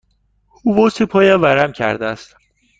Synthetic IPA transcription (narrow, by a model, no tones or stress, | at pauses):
uːvosipʰɒːjævæɾæmcʰæ̰ɾd̪ææst̪